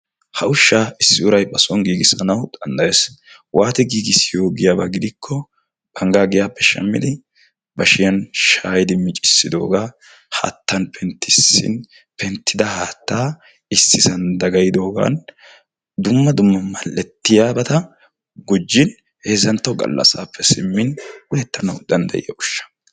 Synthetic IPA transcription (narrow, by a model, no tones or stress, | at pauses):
hɐʔʊʃːaːɪsːɪʊɾɐjbɐsɔŋɡiːɡɪsɐnɐwd̪̥ɐnd̪ɐjeːs | waːt̪ɛɡiːɡɪsɪjo̞ːɡɪjaːbɐɡɪd̪ɪkʰːɔ | b̥ɐŋɡaːɡɪjaːpːɛʃɐ̰mːɪ̰d̪ɪ | bɐʃɪjɐnʃaːjɪd̪ɪmɪt͡ʃʼɪ̥sːɪd̪o̞̰ːɡaː | ha̰ːt̪ːɐnpʰɛnt̪ːɪsːɪ̰n | pɛnt̪ːɪd̪ɐhaːt̪ːaː | ɪsːɪsɐnd̪ɐɡɐjɪd̪o̞ːɡa̰ːn | d̪ʊmːɐd̪ʊmːɐmɐlːɛt̪ːɪjaːbɐt̪ɐ | ɡʊd͡ʒːɪn | heːzɐnt̪ːɐwɡɐ̰lːɐ̰saːpːɛsɪmːɪnwʊjɛt̪ːɐnɐwd̪ɐnd̪ɐ̰jɪ̰jɐʔʊʃːɐ̥